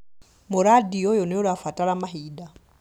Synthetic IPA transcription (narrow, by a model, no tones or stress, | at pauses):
moɾadiɔjoneoɾafataɾamaɦida